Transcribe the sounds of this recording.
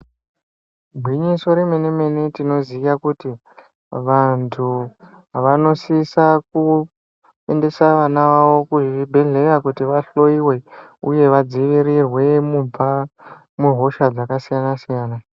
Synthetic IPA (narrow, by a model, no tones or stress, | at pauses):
bʱwiɲiso̞ɾeme̞neme̞netino̞zijakuti | ʋantʰu | ɦaʋano̞sisaku | ende̞saʋanaʋaʋo̞kuʐibʱe̞ɮe̞rakutiʋaɬo̞iwe̞uje̞ʋad͡ziʋiɾirwe̞mua | muɦo̞ʃad͡zakasijanasijaːna